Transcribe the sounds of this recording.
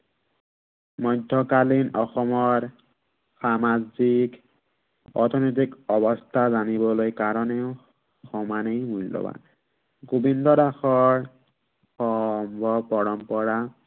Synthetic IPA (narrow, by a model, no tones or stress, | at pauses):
mɔjdʱːɔkalinɔxɔmɔɹ | samazik | ɔ̰t̪ʰɔnojt̬ikɔβɔst̪ʰazanibɔlojkaɹɔneʊ | xɔmanejmulːɔ̰ba̰ | ɡobindɔdaxɔɹ | xɔmbʱɔbpɔɹɔmpɔɹa